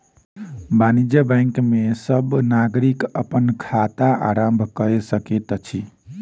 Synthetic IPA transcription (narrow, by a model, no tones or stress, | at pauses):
banid͡ʒjəbãjŋkmesəbnaɡɾikəpənkʰat̪aʔa̰ɾəmbʱkəɾesəket̪t͡ʃʰi